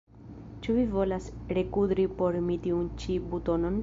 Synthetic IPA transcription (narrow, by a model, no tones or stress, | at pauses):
t͡ʃuvivo̞lasɾe̞kud̪ɾipo̞ɾmitiunt͡ʃibuto̞no̞n